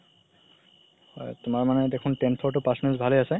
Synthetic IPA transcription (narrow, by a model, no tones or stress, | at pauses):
hɔ̰jtʊmaɹmanɛdekʰuntɛnpʰɔɹtʊpasnɛsbʱalejasɛ